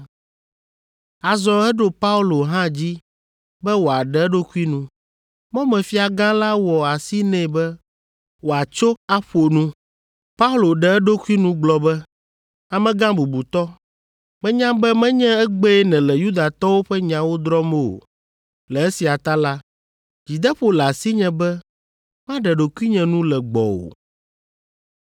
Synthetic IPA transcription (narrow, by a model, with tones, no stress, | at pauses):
a˨zɔ˨ɛ˦ɖo˨pa˦u˦lo˨ɦã˦d͡ʑi˦ | bɛ˦wo˨a˨ɖɛ˦ɛ˦ɖo˦ku˦i˦nũ˦ | mɔ̃˦mɛ̃˨fi˦a˨ɡã˦la˦wɔ˨a˨si˦nɛ̃˦˨bɛ˦ | wo˨a˨t͡ʃo˦a˦ɸo˨nũ˦ | pa˦u˦lo˨ɖɛ˨ɛ˦ɖo˦kʷu˦i˦nũ˦ɡ͡blɔ˨bɛ˦ | a˨mɛ̃˦ɡã˦bu˨bu˨t̪ɔ˦ | mɛ̃˦ɲã˦bɛ˦mɛ̃˦ɲɛ̃˦ɛ˦ɡ͡bɛ˦nɛ̃˨lɛ˨ju˦d̪a˨t̪ɔ˦wo˦ɸɛ˦ɲã˨wo˦d̪ɾɔ˦mo˦˨o̰˨ | lɛ˨e˦si˨a˨t̪a˦la˦ | d͡ʑi˨d̪ɛ˦ɸo˦lɛ˨a˨si˦ɲɛ̃˨bɛ˦ | mã˦ɖɛ˨ɖo˨ku˦i˦ɲɛ̃˨nũ˦lɛ˨ɡ͡bɔ̰˨wo̰˨